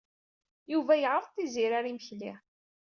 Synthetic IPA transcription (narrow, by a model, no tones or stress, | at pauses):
juvæjəʁəɾˤθiziɾaɾiməçliʁ